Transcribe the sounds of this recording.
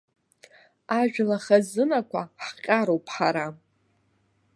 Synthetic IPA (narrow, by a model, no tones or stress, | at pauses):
aʒᶣlaχazɨnakʷʰaħqʲʼaɾowpʰʼħaɾa